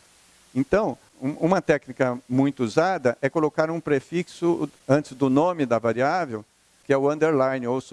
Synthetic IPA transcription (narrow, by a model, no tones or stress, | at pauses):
ẽnt̪ɐ̃w̃ | ũũmɐt̪ɛknikɐmũj̃t̪ʊuzad̪ɐʔɛkolokaɾũpɾefiksʊɐ̃nt͡ʃɪzd̪ʊnõmɪd̪ɐvaɾiavew | kɪɛʊɐ̃nd̪eɾlãj̃nɪows